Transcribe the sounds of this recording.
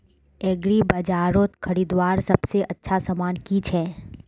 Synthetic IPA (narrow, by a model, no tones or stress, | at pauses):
ɛːɡɾibɐd͡ʒaːɾõt̪kʰɐɾiːd̪waːɾsɐbseʔɐtːʃʰasamaːnkit͡ʃʰɛː